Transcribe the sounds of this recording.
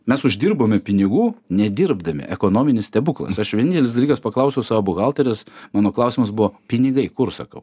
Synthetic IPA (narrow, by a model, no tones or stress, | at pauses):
mʲɛsʊʒd̪ʲɪːrboːmʲɛpʲɪnʲɪɡuːnʲɛd̪ʲɪɾbd̪ɐmʲɪ̰ʔɛkoːnoːmʲɪnʲɪst̪ʲɛbʊklˠɐ̰sɐʃʋʲɛnʲɪntʲɛlʲɪsd̪ɐlʲiːkɐspɐklˠɐʊsʲɛʊsɑːʋɐbʊɣɑlˠt̪ɐɾʲɪsmɑːnoːklˠɐʊsʲɪmɐsbʊʋoːpʲɪnʲɪɡɐɪkʊrsɐkɐʊ